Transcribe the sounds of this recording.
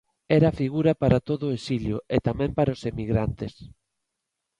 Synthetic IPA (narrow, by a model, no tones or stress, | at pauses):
ɛɾafiɣuɾɐpaɾat̪oðʊesiljʊet̪amɛ̃mpaɾaosemiɣɾant̪es